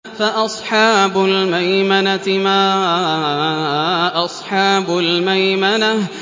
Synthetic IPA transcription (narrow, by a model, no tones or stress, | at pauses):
faʔɑsˤħɑːbʊlmajmanamaː | ʔɑsˤħɑːbʊlmajmana